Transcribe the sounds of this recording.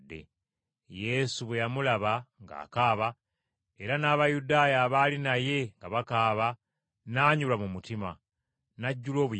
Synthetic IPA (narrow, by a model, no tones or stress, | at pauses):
dːe̞̰ | je̞suβwe̞jamulaβaŋɡa̰ːkaːβa | e̞ɾanaːβajudaːjaːβaːlinaje̞ŋɡaβakaːβa | naːɲulamumutima̰ | naɟːulo̞ːβu